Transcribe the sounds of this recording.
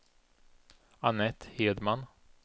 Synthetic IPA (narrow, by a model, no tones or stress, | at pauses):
anɛt̪heːd̪man